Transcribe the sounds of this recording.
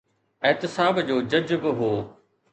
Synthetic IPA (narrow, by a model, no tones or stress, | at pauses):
ɛɦt̪ɪsaːbd͡ʑoːd͡ʑɐd͡ʑbɪɦoː